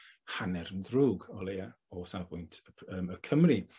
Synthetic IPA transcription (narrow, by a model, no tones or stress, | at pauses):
hanɛɾəndruːɡɔlˠeja | ɔsabʊjntʰəəːməkʰəmri